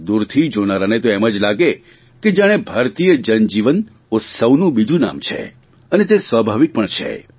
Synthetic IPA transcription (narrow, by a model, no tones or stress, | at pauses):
d̪uɾt̪ʰid͡ʒonaɾanet̪oɛmad͡ʒlaɡe | ked͡ʒjaɽ̃ebʱaɾt̪ijəd͡ʒənd͡ʒiʋən | ʊt̪səʋnũbid͡ʒũna̰mt͡ʃʰḛ | ənet̪̬esʋabʱaʋik̚pəɳt͡ʃʰḛ